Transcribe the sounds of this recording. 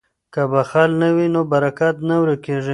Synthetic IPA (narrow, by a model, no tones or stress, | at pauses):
kabaxɑlnəwinobaɾakat̪nawɾekeʐi